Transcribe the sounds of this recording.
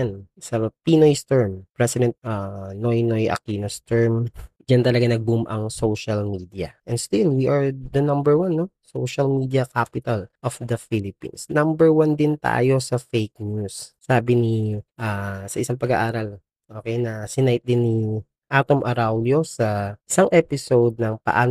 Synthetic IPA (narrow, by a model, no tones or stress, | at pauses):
n | sɐpinojst̪ɛɹmpɹɛsɪd̪ɛnt̪̚anojnojʔɐ̰kinost̪ɛɹm | d͡ʒant̪ɐlɐɡanɐɡ̚bumʔɐ̰ŋsowʃɐlmiːd̪iɐʔɛnst̪ɪlwiʔɐɹd̪ɐnɐmbɛɹwanːosowʃɐlmid̪iɐkapɪt̪ɐlʔofd̪ɐfilɪpḭ̃nsnɐmbɛɹwand̪ɪnt̪a̰ːjo̞sɐfejk̚njusː | aːbɪniʔaːsɐʔɪsaŋpɐɡaʔaːɾɐl | ʔoːkɛjnɐsɪnajɪt̪̚d̪ɪnːi | ʔat̪omʔɐɾawljo̞sɐʔɪsaŋʔɛpɪsowd̪̚nɐŋpɐ̰ʔaː